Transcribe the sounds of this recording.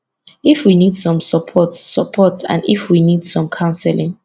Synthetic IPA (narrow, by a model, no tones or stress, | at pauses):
ifwinidsɔ̃msəpʰɔtsəpʰɔtsã̰ndifwinidsɔ̃mkʰãʊ̃nsɛlĩŋ